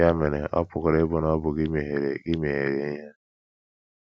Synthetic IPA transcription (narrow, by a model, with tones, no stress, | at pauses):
a˦me˨nḛ˨ʔɔ̰˦pʊ˨kɔ˨ɾe˦bʊ˦nɔ˦bʊ˨ɡɪ˦me˨ɦe˨ɾe˨ɡɪ˦me˨ɦe˨ɾe˨˦ja˦